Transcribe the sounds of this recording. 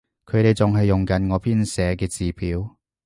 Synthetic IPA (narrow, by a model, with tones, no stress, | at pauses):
kʰɵ˨˧ɥɾe˨jt͡sʊ˨ŋɦɐ˨jːʊ˨ŋkɐ˨˥nŋɔː˨˧pʰiː˥nsɛː˨˧kɛː˧t͡siː˨pʰiː˨˥w